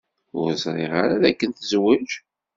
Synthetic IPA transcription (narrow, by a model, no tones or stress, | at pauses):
ʊɾəzˤɾˤeʁaɾaðækːənt̪əzwæʒ